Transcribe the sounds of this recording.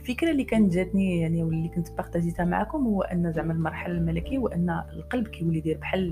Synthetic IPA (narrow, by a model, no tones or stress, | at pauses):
lfəkɾalːikænət̪ʒæt̪nijaʕniwlːikʊnt̪əbaxt̪æzit̪æma̰ʕa̰kʊmhʊwːʔənːæzaʕmələlmɑɾˤħalalmælækiwʔənːæəlqɑlbkæjwlːid̪iɾbħalː